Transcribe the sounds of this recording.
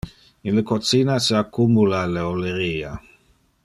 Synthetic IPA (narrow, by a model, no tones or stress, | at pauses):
inləkot͡sinaseakːumulaleoleɾiːa